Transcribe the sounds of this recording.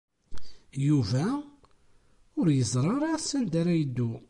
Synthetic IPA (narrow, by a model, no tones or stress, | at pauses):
juvæ | ʊɾjəzˤɾˤɑɾˤasːənd̪aɾæjəd̪ːu